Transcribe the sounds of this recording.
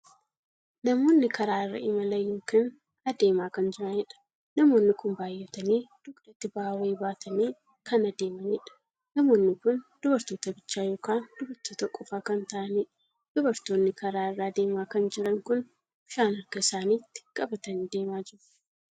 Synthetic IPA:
nɐmo̞ːnːɪkɐɾaːɪrːɐ̰ʔɪmɐlɐjoːkiːn | ɐd̪e̞ːmaːkɐnd͡ʒɪɾɐnɛᶑɐ̥ | nɐmo̞ːnːɪkʊmbaːjːɛt̪ɐniːd̪̥ʊkd̪ɐt̪ːɪbaːweːbaːt̪ʰɐniː | kɐnɐd̪e̞ːmɐniːᶑɐ̥ | nɐmo̞ːnːɪkʊnd̪̥ʊbɐɾt̪o̞ːt̪ɐbɪt͡ʃːaːjo̞ːkaːnd̪ʊbɐɾt̪oːt̪ɐkʼɔfaːkɐnt̪ɐʔɐniːᶑɐ | d̪̥ʊbɐɾt̪oːnːɪkɐɾaːɪrːaːd̪e̞ːmaːkɐnd͡ʒɪɾɐŋkʊn | ʊʃaːnɐɾkɐɪsaːniːt̪ːɪ̥kʼɐbɐt̪ɐniːd̪e̞ːmaːd͡ʒɪɾʊ̥

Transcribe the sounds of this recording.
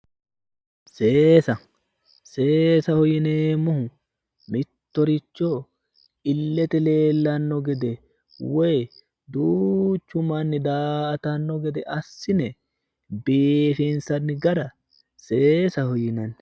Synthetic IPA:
seːsɐ | se̞ːsɐhɔjɪneːmʊhʊ | mɪt̪ːɔɾɪt͡ʃːo | ɪlːɛt̪ɛle̞ːlːɐnːɔɡɛd̪ɛ | wɛj | d̪uːt͡ʃːʊmanːɪd̪aːt̪ɐnːɔɡɛd̪ɛʔɐsːɪnɛ | beːfinsɐnːɪɡɐɾɐ | seːsɐhɔjɪnɐn

